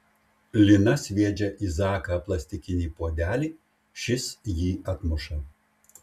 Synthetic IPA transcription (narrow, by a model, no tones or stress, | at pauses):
lʲɪnɐsʲʋʲiɛd͡ʒʲɛʔiːzɑːkɐplˠɐsʲt̪ʲɪkʲɪnʲiːpoɔd̪ʲæːlʲiː | ʃʲɪsjiːɐt̪mʊʃɐ